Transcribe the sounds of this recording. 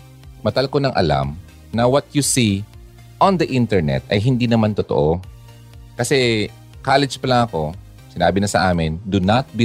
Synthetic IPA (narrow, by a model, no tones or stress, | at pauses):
mɐt̪ɐlkonɐŋʔɐ̰la̰m | nɐwɐt̪̚jusi | ʔɔnd̪ɐʔɪ̃nt̪ɛɹnɛ̰t̪ʔɐjɦɪnd̪inɐmant̪ot̪oʔo | kɐsɛ | kaːlɛd͡ʒpɐlaŋɐko̞ | sɪnaːbɪnɐsɐʔaːmɪnd̪ʊnɐt̪̚bi